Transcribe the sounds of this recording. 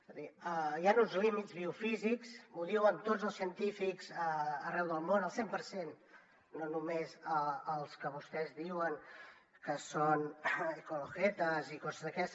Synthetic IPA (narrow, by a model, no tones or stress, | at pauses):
zðiəjanunzlimit̪d͡zβiufiziksmuðiwənt̪odd͡zəlˠsiənt̪ifikzəːrɛwðəlˠmonəlˠsempəɾsenː | onumezəːlˠskəβust̪ɛzðiwəŋ | kəsonikuluɣɛt̪əzikɔzəzðəkɛst̪